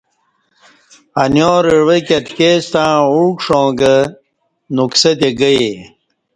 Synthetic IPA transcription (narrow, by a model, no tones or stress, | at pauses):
ɐnjoːɾeɻwekɐt̪kest̪ãːuːkʂõːɡɐ | nuksɐt̪̬eɡɐje